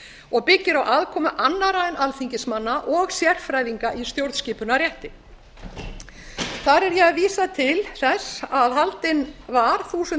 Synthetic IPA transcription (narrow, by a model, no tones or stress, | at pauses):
ɔɣpɪcːɪɾawʔaðkʰɔːmʏʔanːaɾanʔalθiɲcɪsmanːaʔɔɣsjɛr̥fɾaːjðiŋkaʔist̪jowɾt̪sciːpʏnarjɛht̪ɪ | θaɾɛɾjɛaviːsat̪ʰɪlθɛsːaðɦalt̪ɪnvaɾ̥θuːsʏ